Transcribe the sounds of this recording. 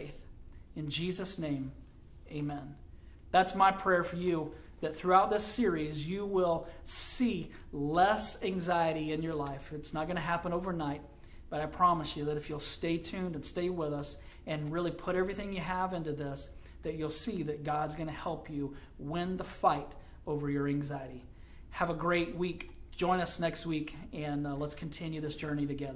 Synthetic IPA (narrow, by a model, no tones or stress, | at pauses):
ɪθɨ̃nd͡ʒizɨsnẽɪ̃m | eɪmɛ̃n | ðætsmaɪpʰɹ̥ɛɹfə˞jɨ | ðɨt̪̚θɹʉaʊt̪̚ðɪsɪɹizjɨwɪlˠssi | lɛsæ̃ŋzaɪɨɾiɪ̃njə˞laɪfɨtsnət̚ɡ̥ʌñɨɦæpə̃ñoʊvə˞naɪt̚ | b̥ʌɾaɪpʰɹ̥ɑməsjɨðɨɾɨfjulˠsteɪtʰʉ̃ndɨ̃nsteɪwɪðʌs | ɨ̃nɹɪlˠipʰʊɾɛvɹiθɪ̃ŋjɨəvɪ̃ntʉðɪs | ðɨt͡ʃulˠsiðɨt̚ɡ̥ɑdzɡʌñɨhɛlˠpʰjɨ | wɪ̃nðəfaɪɾ | oʊvə˞jə˞æ̃ŋzaɪɨɾi | əvəɡɹeɪt̚wikd̥ʒ̥ɔ̃ɪ̃ñʌsnɛkst̚wikɨ̃nlətskʰn̩tʰɪ̃njʉðɪsd̥ʒ̥ɜ˞niɾɨɡɛðə˞